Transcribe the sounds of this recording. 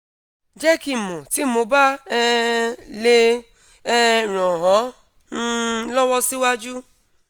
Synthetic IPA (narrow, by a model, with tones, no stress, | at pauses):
d͡ʒɛ˦ki˧mo˨ti˨˦mo˧˦ba˦ | le˧˦˧ | ɾɔ̃˨ɦɔ̃˨˦ | n̩˦lɔ˦wɔ˦si˦wa˦d͡ʒu˦